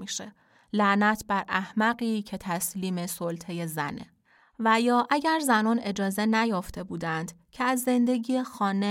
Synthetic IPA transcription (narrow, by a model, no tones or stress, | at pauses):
iːʃe | læʔnæt̪ʰbæɾʔæhmæɣiːcʰe̞t̪ʰæsliːme̞solt̪ʰe̞je̞zæ̰nḛ | væjɒːʔæɟæɾzænɒːne̞d͡ʒɒːze̞næjɒːft̪ʰe̞buːd̪ænd̪̥cʰeæzːe̞nd̪e̞ɡiːexɒːne